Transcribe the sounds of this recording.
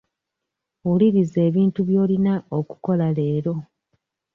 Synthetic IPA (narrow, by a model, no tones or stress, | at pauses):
uliβize̞ːβiːntuβjo̞ːlinaoku̥ko̞lale̞ːɾo̞